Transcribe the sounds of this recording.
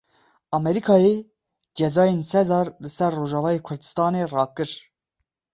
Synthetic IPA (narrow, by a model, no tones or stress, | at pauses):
ɑmɛɾikʰɑːje | d͡ʒɛzɑːjensɛzɑːɾlɨsɛrːoːʒɑːvɑːjeːkʰʊɾd̪ɨst̪ɑːnerɑːkɨɾ